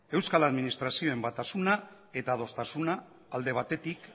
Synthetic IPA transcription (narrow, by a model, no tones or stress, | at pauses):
e̞wskalaðminist̪ɾasio̞e̞mbat̪asuna | e̞t̪að̞o̞st̪asunaː | ld̪e̞β̞at̪e̞t̪ik